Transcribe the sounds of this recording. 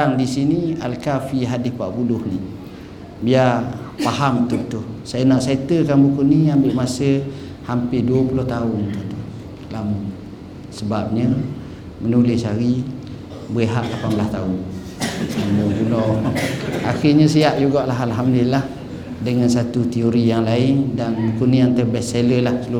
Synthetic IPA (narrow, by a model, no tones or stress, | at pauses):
aŋdisinialkafiɦadɪspaʔpulʊhni | biapaɦamt̪ʊht̪ʊhsajanaʔset̪əkanbukuniambɪʔmasə | hampɪduəpulʊht̪aʊnt̪uht̪uh | lamʊŋ | səbap̚ɲə | mənulɪsaɣi | bɣəɦaʔlapanbəlast̪aʊn | lamʊŋɡunɔ | axiɲəs̬iaʔjuɡaʔlaɦalɦamddəlilah | dəŋansat̪ut̪ioɾijaŋlaɪŋdanbukuniant̪əbɛsseləlahklu